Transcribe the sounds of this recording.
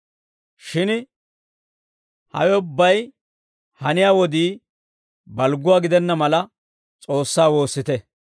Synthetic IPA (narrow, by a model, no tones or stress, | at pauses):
ʃɪn | hɐ̰wɛʊbːɐj | hɐnɪjaːwɔd̪iː | bɐlɡʊwaːɡɪd̪ɛnːɐmɐlɐ | t͡sʼo̞ːsːaːwo̞ːsːɪt̪ɛ